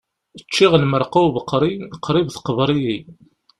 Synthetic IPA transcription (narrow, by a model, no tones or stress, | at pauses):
ət͡ʃːiʁəlməɾˤquvəqːɾˤiqːɾˤɪvθqəvɾˤiji